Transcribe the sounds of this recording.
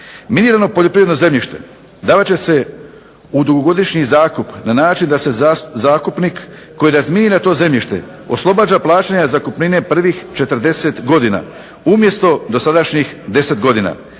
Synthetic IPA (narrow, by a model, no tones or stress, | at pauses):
miniːɾano̞po̞ʎopɾiʋed̪noze̞mʎiʃt̪e̞̰ | d̪aːʋat͡ɕe̞se̞ | ud̪uɡoɡo̞d̪iʃɲizaːkupnanaːt͡ʃind̪ase̞zaːkupnikː | o̞jiɾazmininat̪o̞ːze̞mʎiʃt̪e̞̰ | o̰slˠo̞baːd͡ʑaplˠaːt͡ɕaɲazakupnine̞pr̩ʋixt͡ʃe̞t̪ər̩d̪e̞se̞t̪ɡo̞d̪ina̰ | umje̞st̪o̞d̪o̞sad̪aʃɲixd̪e̞se̞t̪ɡod̪ina̰ː